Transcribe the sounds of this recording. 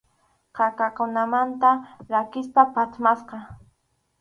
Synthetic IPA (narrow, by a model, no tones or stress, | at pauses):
qɑkakʊnamant̪aɾakɪspapat̪masqɑ